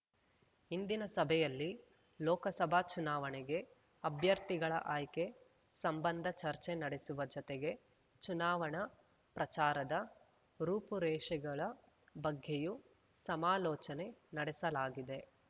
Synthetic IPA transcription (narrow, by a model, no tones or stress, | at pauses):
ind̪inɐsɐbʱɛjɐlːi | lɔːkɐsɐbʱat͡ʃunaːʋɐɳeɡe̞ | ɐbʱjɐɾt̪iɡɐɭɐ̰ʔaːjke̞ | sɐmbɐnd̪ʱɐt͡ʃɐɾt͡ʃenɐɽesuʋɐd͡ʒɔt̪eɡe̞ | t͡ʃunaːʋɐɳɐ | pɾɐt͡ʃaːɾɐd̪ɐ | ɾuːpuɾɛːʂɐɡɐɭɐ | bɐɡʱːeju | sɐmaːlɔːt͡ʃɐne̞nɐɽesɐlaːɡid̪e̞